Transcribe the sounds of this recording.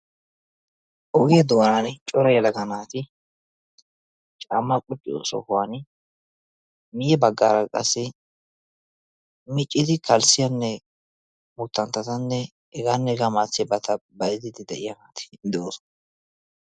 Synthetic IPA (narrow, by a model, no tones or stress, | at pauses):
ʔɔɡɪjɐd̪ɔwɐnant͡ʃʼɔɾɐjɛlɐɡɐnaːt̪ɪ | t͡ʃʼamːɐkʼʊt͡ʃʼːɪ̰sɔ̰hʊwaːn | mɪjɛbɐɡːaːɾɐkʼɐ̰sːɪ | mɪt͡ʃʼːɪd̪ɪkʰɐlsɪjɐnːɛ | mʊt̪ːɐnt̪ːɐt̪ɐnːɛ | ɛɡaːnːɛɛɡaːmaːt͡sːɪjɛbɐt̪ʰɐbɐjɪd̪ɪd̪ɪd̪ɛʔɪjɐnaːt̪ɪ̥d̪ooːsɔ̥n